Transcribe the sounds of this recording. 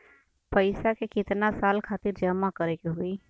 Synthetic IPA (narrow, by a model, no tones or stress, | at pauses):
pəɪsakekɪt̪nasaːlkʰaːt̪ɪɾd͡ʒɐmakəɾekeɦʊiː